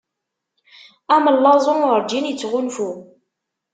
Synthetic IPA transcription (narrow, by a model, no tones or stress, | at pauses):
æməlːɑzˤənʊɾd͡ʒinjət͡sːʁʊnfu